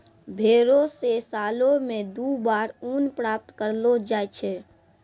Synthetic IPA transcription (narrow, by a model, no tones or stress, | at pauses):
bʱeɾosesalomed̪ubaɾunpɾap̚t̪kəɾlod͡ʒajt͡ʃʰɛ